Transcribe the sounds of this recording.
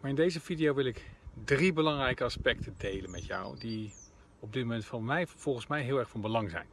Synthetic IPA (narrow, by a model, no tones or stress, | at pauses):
maːɹɪndejzəvidijowʋɪlˠɪkdribəlɑŋrɛjkəɑspɛktʰədejlənmɛ̰tjɔ̰wdi | ɔb̚dɪtmomɛntfɑnmɛjv̥ɔlˠχənsmɛjɦɪːlˠɛɹχfɑnbəlɑŋzɛ̰jn